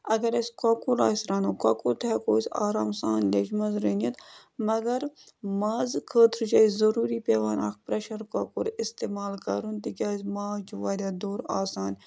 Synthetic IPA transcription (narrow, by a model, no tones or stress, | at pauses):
ɐɡɐɾɐsʲkaːkuɾa̰ːsɾɐnokaːkuɾt̪ʰɛkoːsa̰ːɾaːmsaːnlʲet͡ʃmɐnzɾeːnʲet̪ | mɐɡɐɾ | maːzkʰəːt̪ʰɾt͡ʃaːizɐɾuːɾipʲeːʋaːna̰ːkpɾɐʃɐɾkoːkuɾɪst̪eːmaːlkɐ̰ɾunt̪ikʲaːsmaːt͡ʃʰuʋaːɾʲaːd̪oːɾaːsaːn